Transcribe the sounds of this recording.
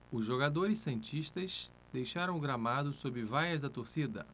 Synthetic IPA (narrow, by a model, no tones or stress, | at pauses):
ʊzʒoɡad̪oɾɪsẽt͡ʃiʃt̪ɐʃ | d̪̥ejʃaɾɐ̃w̃ɡɾamad̪ʊsobɪvajɐzd̪ɐt̪oɾsid̪ɐ̰